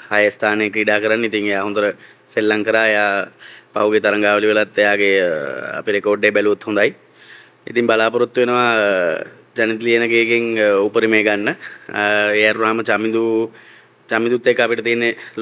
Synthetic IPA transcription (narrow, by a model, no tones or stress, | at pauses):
hajəst̪ʰaːnekɾiːɖaːkəɾanːəit̪iŋejaːɦund̪uɾə | selːaŋkəɾaːejaːpawɡet̪ɐɾɐŋɡaːʋəliʋelat̪ːejaːɡea̰piɾekoːɖebɛluut̪hund̪aj | it̪iŋbalaːpɐɾut̪ːuʋenəʋa | d͡ʒanit̪̬lienəɡeːɡeŋupəɾimeːɡanːə | ejaɾunaːmət͡ʃamid̪u | t͡ʃamːid̪ut̪ːekːəapiʈət̪iːnːe